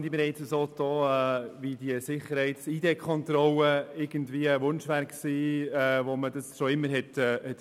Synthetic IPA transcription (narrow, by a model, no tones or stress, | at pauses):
nd̪ibeɾɛɪt͡səsoːd̥̪oːɛvid̥iəsɪχːəɾhɛɪtsid̥ekʰɔntɾɔlːəɪɾɡ̥əndviəəʋʊnʃʋæɾksiːɛʋomədəsʃoɪmːəɾɦɛtːhɛt